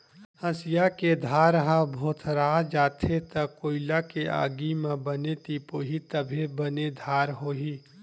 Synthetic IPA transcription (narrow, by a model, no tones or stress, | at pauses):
əsɪjaked̪ʱaːɾɦãbʱoːt̪ʰɾaːd͡ʒaːt̪ʰet̪əkoːɪlakeʔa̰ːɡimãbənet̪iːpoːɦit̪əbʱebəned̪ʱaːɾɦoːɦiː